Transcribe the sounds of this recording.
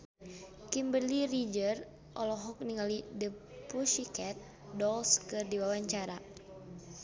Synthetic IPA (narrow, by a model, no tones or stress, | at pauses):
kimbərlirid͡ʒər | ʔɔlɔɦɔk̚niŋalidəpuʃikɛt̪̚ | dɔlskɨrdiwawaɲt͡ʃaɾa